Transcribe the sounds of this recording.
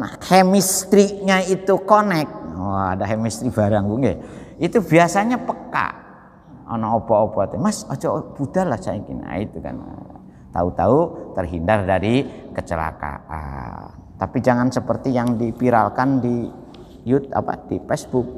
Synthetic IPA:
nahhɛmist̪ɾiʔɲait̪ukonɛk̚waadaɦɛmist̪ɾibaɾaŋbuŋɡɛit̪ubiasaɲapəka̰ | o̰nɔopɔopɔt̪ɛmasod͡ʒɔb̥udalahsaikḭna̰it̪uka̰nə̰ | t̪a̰ut̪aut̪ərɦindardaɾikət͡ʃəla̰ka̰a̰ | t̪apid͡ʒaŋansəpərt̪ijaŋdipiɾa̰lkandi | jut̪̚a̰pa̰dipɛsbʊk̚

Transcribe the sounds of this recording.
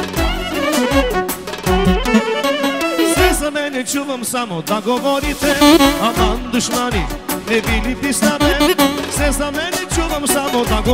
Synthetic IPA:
sesɐmenet͡ʃuʋɐmsamod̪ɐɡomoːɾit̪ʰeɐmaːnd̪uʂmanilebilipisnabesesɐmeːnet͡ʃuʋɐmsamod̪ɐɡo

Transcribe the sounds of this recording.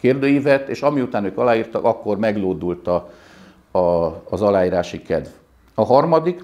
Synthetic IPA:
keːrd̪øːjivɛt̪ːeːʃɒmiut̪aːnøːkɒlaːjiːrt̪ɒkɒkːo̞rmɛɡloːd̪ult̪ɒ | ɒːzɒlaːjiːɾaːʃikɛd̪v | ɒɦɒrmɒd̪ik

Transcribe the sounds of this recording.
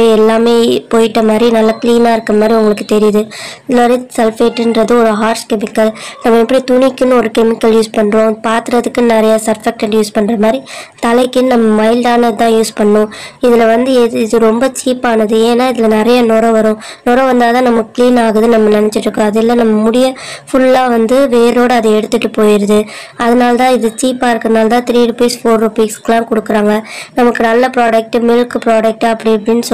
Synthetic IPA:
ɽiɛlːaːmeːpoːjɪʈːɐmaːd̪ɾinɐlːɐkliːnaːɪɾɯkːɾɐmaːd̪ɾiʊŋɡɐɭɯkːɯt̪ɛɾɪjɐðɯɪðɯlmaːd̪ɾisɛlfeːʈːnɖɾɐðɯɔɾɯɦaːɾʂkɛmɪkːɐlnɐmːɐɛpːɐɽit̪ʊɳɪkːɯnːɯɔɾɯkɛmɪkːɐljuːspɐɳːɾõːpaːɾt̪ɯɾɐðɯkːɯnɪɾɐjasɐɾfɛk̚ʈɛɳɖjuːspɐɳːɾɐmaːd̪ɾit̪ɐlɐɪkːɯnnɐmːɐmɐɪldaːnɐðɯt̪ãːjuːspɐɳːʊ̃ɪðɪlɐʋɐnd̪ɯɪðɯɾɔmbɐt͡ʃiːpaːnɐðɯeːnːaːɪðɪlɐnɪɾɐjɐnɔɾɐ̃ʋɐɾʊ̃ | nɔɾɐ̃ʋɐnd̪aːt̪ãːnɐmɐkːɯ̥kːliːnaːɣɐðɯnɐmːɐnɪnɛt͡ʃːɪʈɾɯkːõɐðɪlːãnɐmːɐmʊɽɪjɐfʊlːaːʋɐnd̪ɯʋeːɾoːɽɯɐðɯɛɽɯt̪ːɯʈːɯpoːjɪɾɐðɯ | ɐðɐnaːlɐt̪ãːɪðɯt͡ʃiːpaːɪɾɯkːɐɾɐnaːlt̪ãːt̪ɪɾiːɾʊpiːsfoːɾɾʊpiːksklãːkɔɽɯkːɯɾaːŋɡɐnɐmɐkːɯnɐlːɐpɾaːɽɐk̚ʈːɯmɪlkɯpɾaːɽɐk̚ʈɯɐpːɐɽɪɐpːɐɽɪnːɯsɔ

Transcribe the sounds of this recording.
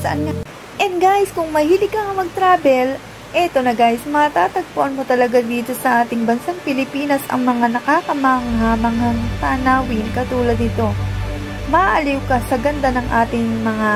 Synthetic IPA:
sɐʔanŋa | ʔɛnd̪ɡaːjɪskʊŋmɐhilɪɡ̚kːɐŋɐmɐɡ̚t̪ɾaːbɛl | ʔɛt̪o̞nɐɡaːjɪsmɐɐt̪aːt̪ɐɡ̚poʔɐnmo̞t̪ɐlɐɡad̪iːt̪o̞sɐʔaːt̪ɪŋbɐnsaŋpɪlɪpiːnɐsʔɐ̰ŋmɐŋanɐkaːkɐmaŋɦamɐŋhɐŋt̪anawɪnkɐt̪uːlɐd̪̚nɪt̪o̞ | mɐʔʔɐliwkɐsɐɡɐnd̪anɐŋʔaːt̪ɪŋmɐŋa

